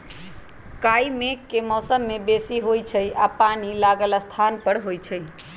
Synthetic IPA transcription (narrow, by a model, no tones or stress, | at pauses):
kajimekːemɔsəmːebesiɦojt͡ʃʰəjapanilaɡəlst̪ʰanpəɾɦojt͡ʃʰəj